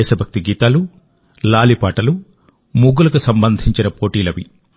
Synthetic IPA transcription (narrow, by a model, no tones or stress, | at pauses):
ɛːʃɐbʱɐk̚t̪iɡiːt̪aːlu | laːlipaːʈɐlu | muɡulɐkusɐmbɐnd̪ʱiɲt͡ʃinɐpoːʈiːlɐʋḭ